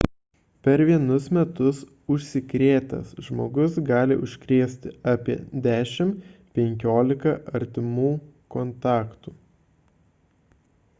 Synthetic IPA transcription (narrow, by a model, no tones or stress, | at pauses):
pʲɛɾʋʲiɛnʊsmʲɛt̪ʊs | ʊʃʲsʲɪkɾʲeːt̪ɐ̰sʒmoːɡʊsɡɑːlʲɪ̰ʔʊʃʲkɾʲeːsʲt̪ʲɪɑːpʲiɛ̰d̪ʲæːʃʲɪmpʲɛŋʲkʲoːlʲɪkɐʔɐɾʲt̪ʲɪmuːkɔnt̪ɑːkt̪uː